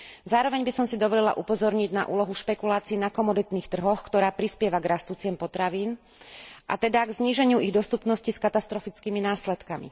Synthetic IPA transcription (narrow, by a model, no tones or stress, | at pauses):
zaːɾɔʋɛɲbisɔmsid̪ɔʋɔlɛla̰ʔupɔzɔɾɲiɟna̰ʔuːlɔɦuʃpɛkulaːt͡siːnakɔmɔd̪it̪niːxt̪r̩ɦɔxkt̪ɔɾaːpɾispɪɛʋaɡɾast̪uːt͡sɪɛmpɔt̪ɾaʋiːn | ʔa̰t̪ɛd̪aɡzɲiːʒɛɲɪuiɣd̪ɔst̪upnɔsciskat̪ast̪ɾɔfit͡skiːminaːslɛt̪kamḭ